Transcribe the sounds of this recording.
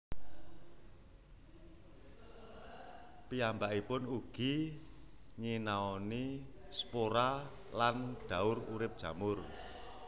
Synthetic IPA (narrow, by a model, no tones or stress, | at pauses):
piambaʔipʊnuɡ̥i | ɲinaɔnispoɾa | lanɖ̥a̤ʊɾṵɾɪp̚d̥ʒ̥ä̤mʊr